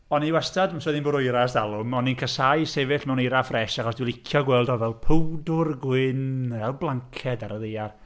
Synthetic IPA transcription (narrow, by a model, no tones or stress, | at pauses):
ɔniwɛstʰadmamswɛðinbʊɾʊɨɾasd̥alˠʊmɔninkʰəsajsevɪɬmɛwneɾafrɛʃaχɔsdwilˠɪkʰjɔɡwɛlˠdɔvɛlˠpʰəwdʊrɡwɪnvɛlˠblˠaŋkʰɛdaɾəðejar